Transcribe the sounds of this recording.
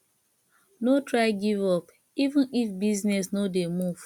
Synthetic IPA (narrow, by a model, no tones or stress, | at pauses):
notɾaɪɡivɔp | ivũnifbiznes̬nodemuv̥